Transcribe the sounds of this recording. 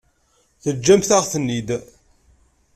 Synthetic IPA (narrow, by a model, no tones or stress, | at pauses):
θəd͡ʒːæmθaʁθənːid̪